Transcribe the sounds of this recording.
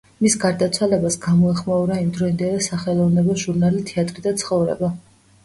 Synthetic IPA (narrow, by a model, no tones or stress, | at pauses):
misɡaɾd̪at̪sʰwalɛbasɡamɔɛχmauɾaimd̪ɾɔind̪ɛlɛsaχɛlˠɔvnɛbɔʒuɾnalit̪ʰɛat̪ʼɾid̪at̪sʰχɔvɾɛ̰ba